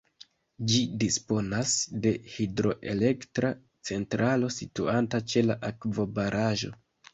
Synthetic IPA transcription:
d͡ʒidispo̞nasde̞hidɾo̞ʔe̞le̞ktɾa | t͡se̞ntɾalo̞situantat͡ʃe̞laʔakvo̞baɾʔaʒo̞̰

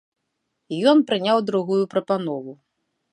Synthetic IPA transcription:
ijɔnpɾɨnʲawd̪ɾuɣujupɾɐpanɔvu

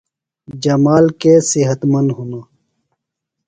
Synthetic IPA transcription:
d͡ʑɐmaːlkesiɦət̪mɐnɦunaː

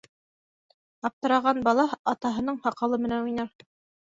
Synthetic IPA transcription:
ɑp̚t̪ɤ̆ɾɑʁɑnbɑlˠɑɑt̪ɑɦɤ̆nɤɴhɑqɑlˠɤmɘ̆nænojnɑɾ

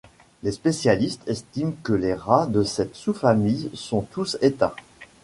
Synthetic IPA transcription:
lespesjalist̪ʰɛst̪imkəleʁad̪əsɛt̪sufamijsɔ̃t̪uset̪a

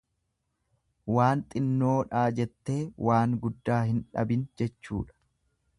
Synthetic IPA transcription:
waːnt̪ʼɪnːo̞ːᶑaːd͡ʒɛt̪ːe̞ːwʔaːŋɡʊd̪ːaːhɪnᶑɐ̰bɪnd͡ʒɛt͡ʃːṵːᶑɐ̥

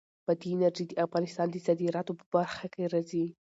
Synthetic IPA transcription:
b̥ad̪iɪnaɾʒid̪əafɣɑnɪst̪ɑnd̪əzad̪iɾɑt̪opə̥baɾxakeɾazi

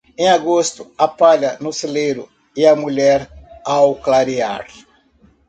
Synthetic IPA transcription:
ẽaɡost̪ʊapaʎɐnʊselejɾʊ̰ | ɪɐmuʎɛɾawklaɾia̰ɾ

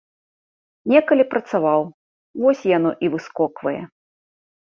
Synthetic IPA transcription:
nʲɛkɐlʲipɾɐt̪savaw | vɔsʲjanɔʔivɨskɔkvɐjɛ̰

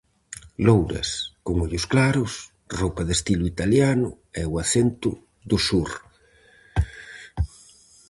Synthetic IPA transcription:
lowɾɐ̰skoŋoʎʊsklaɾʊs | rowpɐðest̪ilʊit̪aljanʊ | ɛwaθent̪ʊ̰ | d̪ʊsuɾ

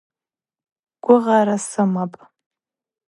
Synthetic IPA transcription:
ɡ̥ʷʊʁaɾasɨmapʼ

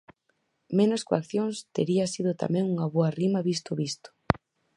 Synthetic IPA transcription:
menoskoa̰kθjoŋst̪eɾiɐsiðʊt̪a̰mẽŋuŋɐβoɐrimɐβist̪ʊβist̪ʊ̥

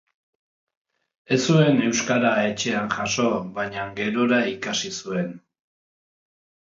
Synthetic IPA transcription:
e̞sue̞ne̞wskaɾae̞t͡ʃe̞anʝaʃo̞βaɲaŋɡe̞ɾo̞ɾaikasisue̞n

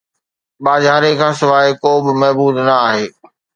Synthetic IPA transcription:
ɓaːzaːɾekʰãːsɪʋaːekoːbɪmɐɦbuːd̪nɐaːɦeː

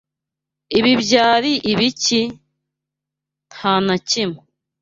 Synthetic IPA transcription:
iβibjaːɾiʔiβici | nhaːnacimu

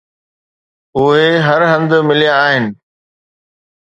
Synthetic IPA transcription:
ʊɦeɦɐɾɦɐ̃nd̪̆mɪlijãːɦɪnɪ̆

